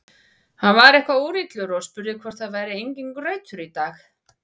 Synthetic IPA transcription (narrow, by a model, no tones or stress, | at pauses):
hanvaɾɛhkvauːɾit̪lʏɾɔspʏɾðɪkʰvɔɾ̥t̪θaðvaːjɾɪejɲciŋkrœɥt̪ʏɾit̪aːx